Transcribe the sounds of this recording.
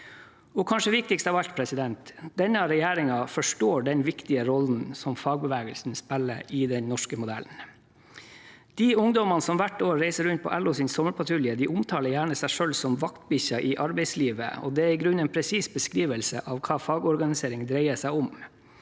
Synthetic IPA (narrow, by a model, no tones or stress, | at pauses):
ɔkʰɑnʂəʋɪk̚t̪ɪkst̪ɑːʋɑʎt̪̚pʰɾɛsɪd̪ɛnt̪d̪̥ɛnəɾɛjæːɾɪŋɑfɔʂʈoːɖɛnʋɪkt̪ɪəɾɔln̩sɔmfɑːɡ̚bəʋæːɡəlsn̩spɛlːə̰ɾɪːd̪ɛnnɔʂkəmʊd̪æ̰ln̩ | d̪̥iːʊŋd̪ɔmɑnəsɔmʋæʈoːɾæɪsəɾʉnt̪̚pʰɔ̰ʔælʊsɪnsɔməɾpʰɑt̪ʰɾʉljəd̪iːʔʊmt̪ʰɑːləɾjæːɳəsæɪʂølsɔmʋɑkt̪bɪçɑʔɪʔɑɾbɛɪsliːʋə̰ɔ̰ːd̪ɛæɾɪɡɾʉnɛːnpʰɾɛsiːsbəskɾiːʋəlsə̰ʔɑʋkʰɑːfɑːɡɔɾɡɑnɪseːɾɪŋd̪ɾeɪəsæɪɔm